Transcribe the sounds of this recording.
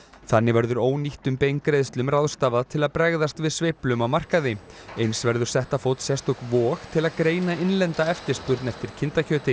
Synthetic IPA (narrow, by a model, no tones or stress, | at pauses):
θanːɪvɛɾðʏɾoːwniht̪ʏmpejŋkɾejðst̪lʏmraðst̪aːvaðt̪ʰɪlaðpɾɛɣðast̪vɪðsveːplʏmawmar̥kaðɪejnsvɛɾðʏɾ̥sɛht̪afowt̪sjɛst̪ʏkvɔːxt̪ʰɪlaðkɾeːjnaɪnlɛnt̪aɛft̪ɪɾ̥spʏɾt̪nɛft̪ɪɾ̥cʰɪnt̪acʰœːt̪ɪ